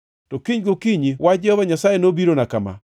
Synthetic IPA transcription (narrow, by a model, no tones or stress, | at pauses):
tɔkiɲɡokiɲiwad͡ʒɛɔβaɲasajenobiɾonakama̰